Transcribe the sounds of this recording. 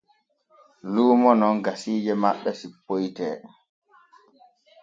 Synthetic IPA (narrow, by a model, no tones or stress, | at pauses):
luːmɔnɔnɡasiːd͡ʒɛmaɓːɛsipːojtɛː